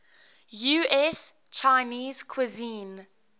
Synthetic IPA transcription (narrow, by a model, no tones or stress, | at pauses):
juɛs | t͡ʃaɪniːz̥kʰwizĩːn